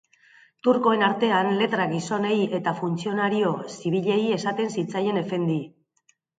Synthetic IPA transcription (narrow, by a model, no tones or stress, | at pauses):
t̪uɾko̞e̞naɾt̪e̞anle̞t̪ɾaɣiso̞ne̞je̞t̪afunt͡sio̞naɾio̞siβ̞iʎe̞je̞sat̪e̞nsit͡saje̞ne̞fe̞nd̪i